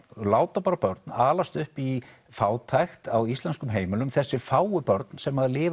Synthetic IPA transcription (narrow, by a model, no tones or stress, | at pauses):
laːwt̪apaːɾapœɾt̪naːlast̪ʏhpi | faːwt̪ʰajxt̪awist̪lɛnskʏmɦeːjmɪlʏmθɛsːɪfaːwʏpœɾt̪nsɛmːaðlɪː